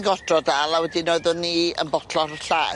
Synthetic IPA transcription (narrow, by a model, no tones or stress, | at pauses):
nɡɔd̥rɔdalˠawɛdinoɨðɔnːiə̰nbɔtʰlɔrɬa